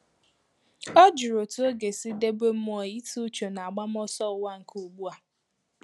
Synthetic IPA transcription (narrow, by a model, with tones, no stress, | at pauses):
ɔ˦d͡ʒu˨ɾo˨tu˦o˦ɡe˨si˦de˦be˦m̩˦mɔ˦˨i˦tu˦t͡ʃo˨na˨a˨ɡ͡ba˦m˦ɔ˦sɔ˦˨wa˦ŋ̩˨kʰu˨ɡ͡bu˦a˨